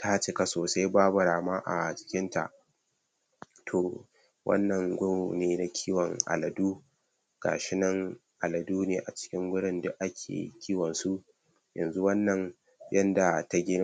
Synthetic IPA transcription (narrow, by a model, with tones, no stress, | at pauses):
tʰa˦t͡ʃɪ˦ka˨soː˨sa˦jbaː˦bʊ˨ɽaː˨maː˦ʔa˨t͡ʃɪ̥˦kʲɪ˦nta̰˨ʔ | tʰoː˨ | wʔɐ̰˦nːɐ˨ŋɡʷʊ˦˨neː˦na˨kʲʰiː˦wɔ˨ŋʔa̰˨lɐ˨duː˦ | ɡ̥a̰ː˨ʃɪ˦nɐ˦ŋʔa˨lɐ˨duː˦neː˨ʔa˨t͡ʃɪ̥˦kʲɪ˦ŋɡʷʊ˦ɽɪ˦ndʊ˦ʔa˦kʲʰḛː˨kʲʰiː˦wɔ˨nsu˦ʔ | jɐ̰˨nzu˦wɐ˦nːɐ˨ŋ | jɐ˦nda˨ta˦ɡʲɪ˦n˦